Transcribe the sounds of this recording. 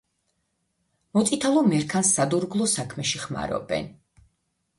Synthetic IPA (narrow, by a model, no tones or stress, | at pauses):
mɔt̪sʼit̪ʰalˠɔmɛɾkʰansːad̪uɾɡlˠɔsakʰmɛʃiχma̰ɾɔ̰bɛ̰n